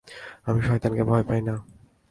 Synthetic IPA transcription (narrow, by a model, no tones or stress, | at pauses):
amiʃɔɦejt̪ankebʱɔjpajna